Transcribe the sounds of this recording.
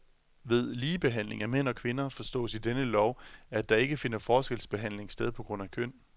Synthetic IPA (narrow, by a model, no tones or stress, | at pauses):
ʋe̝ð̞ˠliːb̥e̝ɦæn̰le̝ŋæmen̰ɒ̽kʰʋe̝nɐfɒ̽sd̥ɔ̰̽ːsid̥enəlɒʊæd̥ɑ̈e̝ɡ̥əfe̝nɐfɒːsɡ̥elsb̥e̝ɦæn̰le̝ŋsd̥eð̞ˠpʰɒ̽ɡ̥ʁɔ̽n̰ækʰøn̰